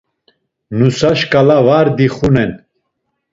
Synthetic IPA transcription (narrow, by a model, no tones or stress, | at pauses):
nusaʃkʼalavaɾd̪iχunɛn